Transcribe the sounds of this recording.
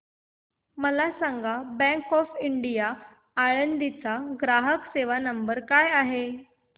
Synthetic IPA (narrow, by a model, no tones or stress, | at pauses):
məlasaŋɡabɛ̃ŋkɔfiɳɖijaː | ɭənd̪it͡saɡɾaɦəkseʋanəmbəɾkajaɦe